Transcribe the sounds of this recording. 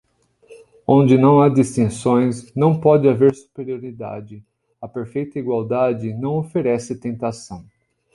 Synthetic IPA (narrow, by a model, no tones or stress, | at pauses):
õnd͡ʒɪnɐ̃w̃ad͡ʒ̪ist̪ẽsõj̃snɐ̃w̃pɔd͡ʒɪaveɾsu̥peɾioɾid̪a̰d͡ʒɪ | ɐpeɾfejt̪ɐiɡwawd̪ad͡ʒɪnɐ̃w̃ofeɾɛsɪt̪ẽnt̪asɐ̃w̃